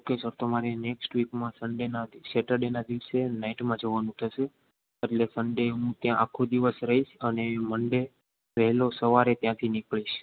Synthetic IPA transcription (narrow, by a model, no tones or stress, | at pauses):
okesəɾt̪omaɾeneksʈʋikmãsəɳɖenaʃeʈəɾɖenad̪iʋsenaiʈmãd͡ʒoʋanũt̪ʰəʃe | eʈlesəɳɖeɦũt̪jãʔakʰːod̪iʋəsɾəɦiʃəneməɳɖe | ʋɛɦlosəʋaɾet̪jãt̪ʰinikɭiʃ